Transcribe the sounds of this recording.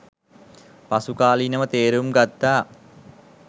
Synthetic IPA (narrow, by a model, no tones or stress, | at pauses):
pasukaːlinəmət̪eːɾumɡat̪ːaː